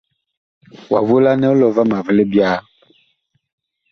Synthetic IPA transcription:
wa̰˨vo˦la˦nɛ̃˦wo˦lɔ˨va˦mã˨ve˦le˦bi˦a˦

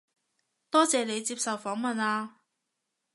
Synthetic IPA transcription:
t̪ɔː˥t͡sɛː˨˧ne˨˧jt͡siː˧p̚sɐ˨wfɔː˨˥ŋmɐ˨naː˧

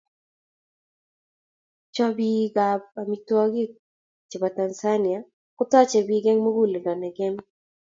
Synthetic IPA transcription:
t͡ʃɔ˦bi˦ɡa˨b̚a˨mi˨twɔ˦ɡɪ˦ | t͡ʃi˨ba˨ta˨nsa˦nɪ˨a˨ | kʊ˦t̪ɔ˦t͡ʃɛ˨bi˦ɡɛ˦ŋmo˦ɡu˦le˨dɔ˨nɛ˨ɡɛ˦m

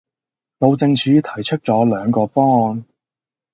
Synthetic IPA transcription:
lo˨˧wt͡sɪ˧ŋt͡ʃʰyː˨˥t̪ʰɐ˨˩jt͡ʃʰɵ˥t̚t͡sɔː˨˥lœː˨˧ŋkɔː˧fɔː˥ɔː˨n

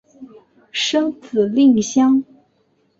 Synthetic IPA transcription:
ʂɤ˥ŋt͡sʰɹ̩˨˩li˥˩ŋɕjɑ˥ŋ

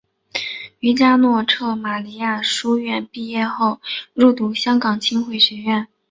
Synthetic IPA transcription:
y˧˥t͡ɕja˥nwɔ˥˧ʈ͡ʂʰɤ˥˩ma˨˩li˧˥ja˥˩ʂu˥ɥɛ˥˧npi˥˧jɛ˥˧xo˥˧ʊɻu˥˩t̪u˧˥ɕjɑ˥ŋkɑ˨˩ŋt͡ɕʰi˥nxwe˥˩ɪɕɥɛ˧˥ɥɛ˥˩n

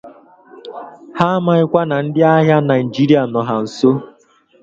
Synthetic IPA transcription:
ha˦ma˨ɪ˦kʷa˦na˨n̩˦dɪ˦a˦ɦja˦na˨i˨d͡ʒi˦ɾi˨˦a˨nɔ˨ɦa˨n̩˨so˦

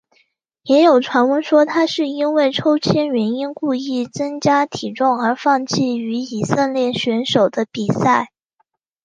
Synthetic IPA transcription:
jɛ˧˥jo˨˩ʊʈ͡ʂʰwa˧˥nwə˧˥nʂwɔ˥t̪ʰa˥ʂɻ̩˥˩i˥nwe˥˩ɪʈ͡ʂʰo˥ʊt͡ɕʰjɛ˥nɥɛ˧˥ni˥nku˥˧i˥˩t͡sɤ˥ŋt͡ɕja˥t̪ʰi˨˩ʈ͡ʂʊ˥˩ŋə˞˧˥fɑ˥˧ŋt͡ɕʰi˥˩y˧˥i˨˩sə˥˧nljɛ˥˩nɕɥɛ˧˥nʂo˨˩ʊd̪ə˦pi˨˩sa˥˩ɪ

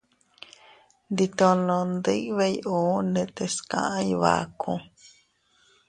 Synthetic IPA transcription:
nd̪i˧t̪õ˧nõ˧nd̪ɨ˦ʔβe˦˧jʔuː˨˦nẽ˧t̪e˧skã̰˧˨ʔã˦jβa̰˨kʰũ˧

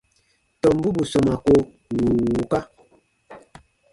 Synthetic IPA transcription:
tɔ˨m˦bu˦bu˨sɔ˨ma˨ko˦ | wu˨u˨ka˦

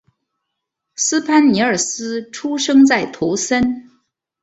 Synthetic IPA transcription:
sɹ̩˥pʰa˥nni˧˥ə˞˨˩sɹ̩˥ʈ͡ʂʰu˥ʂɤ˥ŋt͡sa˥˩ɪt̪ʰu˧˥sə˥n

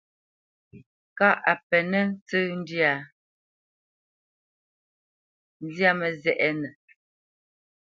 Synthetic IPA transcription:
ka˦˨ʔa˨pɛ˨nɛ˦n̩˦t͡sə˦n˦dja˨˦ | n˦dja˦mɛ˨zɛ˨ʔɛ˦nɛ˨

